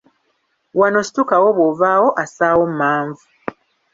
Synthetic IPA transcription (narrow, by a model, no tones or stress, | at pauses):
wano̞si̥tukawo̞βwovaːwo̞ʔasaːwo̞m̩maːɱvu